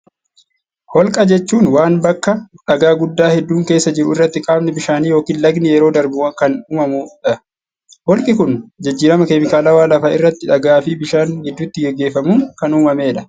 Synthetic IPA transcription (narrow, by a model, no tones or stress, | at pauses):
hɔlkʼɐd͡ʒɛt͡ʃːuːnwaːnbɐkːɐᶑɐɡaːɡʊd̪ːaːhɛd̪ːuːŋke̞ːsːɐd͡ʒɪɾʊɪrːɐt̪ːɪkʼaːbnɪbɪʃaːniːjo̞ːkiːnlɐɡnɪjɛɾo̞ːd̪ɐɾbɪwɐŋkɐnuːmɐmuᶑɐ | hɔlkʼɪkʊnd͡ʒɐd͡ʒːiːɾɐmɐkemɪkaːlɐwaːlɐfaːɪrːɐt̪ːɪᶑɐɡaːfɪbɪʃaːnhɛd̪ːʊt̪ːɪɡɛɡːe̞ːfɐmʊŋkɐnuːmɐmeːᶑɐ̥